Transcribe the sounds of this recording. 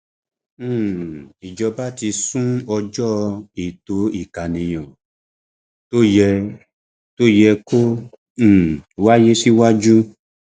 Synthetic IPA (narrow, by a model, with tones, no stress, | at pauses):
i˨d͡ʒɔ˧ba˦ti˧sũ˦ɔ˧d͡ʒɔ˦i˨to˨˦i˦˨ka˨nĩ˨j̃ɔ̃˨ | to˦jɛ˧ | to˦jɛ˧kõ˦˨ | wa˦je˦si˦wa˦d͡ʒu˦